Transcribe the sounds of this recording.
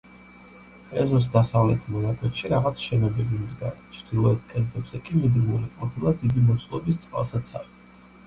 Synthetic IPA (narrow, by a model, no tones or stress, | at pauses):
ɛzɔs̬d̪asavlɛt̪ʰmɔnakʼwɛt̪ʃiɾaʁat̪sʰʃɛnɔbɛbimd̪ɡaɾɛt͡ʃʰd̪̥ilˠɔɛt̚ʰkʼɛd̪lɛbz̥ɛkʼimid̪ɡmuliqʼɔpʰilˠad̪id̪imɔt̪sʰʼlˠɔ̰bist̪sʼqʼa̰lˠsat̪sʰa̰vi